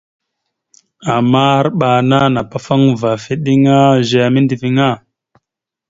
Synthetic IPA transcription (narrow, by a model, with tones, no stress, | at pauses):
a˨mːa˦ɾɓa˨na˦na˨pa˨fa˦ŋva˨fi˦ɗi˦ŋa˦ʒa˨a˨mi˦ndi˨vi˨ŋa˦˨